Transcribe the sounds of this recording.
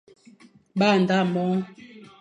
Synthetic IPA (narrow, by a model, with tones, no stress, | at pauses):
ɓa˦˨n˨da˦˨mɔ˦